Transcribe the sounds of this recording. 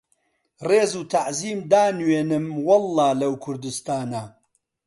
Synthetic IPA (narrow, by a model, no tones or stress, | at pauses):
reːzuːt̪ʰaʕziːmd̪aːnweːnɨmwɐlːɑːlɐwkʰʊɾd̪ɨst̪aːna